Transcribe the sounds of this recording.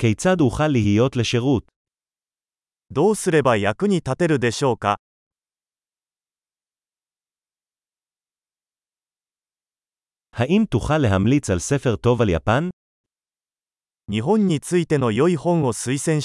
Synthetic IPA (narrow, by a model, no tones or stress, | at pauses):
kejt͡sad̪huχalːiɦijo̞t̪le̞ʃe̞ʁut̪̚ | d̪o̞ːsɨɾe̞bajakɯ̟ɲ̟it̪at̪e̞ɾɯ̟d̪e̞ɕo̞ːka | haʔimt̪uχalːe̞ɦamlit͡salse̞fe̞ʁt̪o̞valja̰pan | ɲiɦõ̞ɲ̟ːit͡sɨit̪e̞no̞jo̞ihõ̞ɰ̃o̞sɨisẽ̞ɰ̃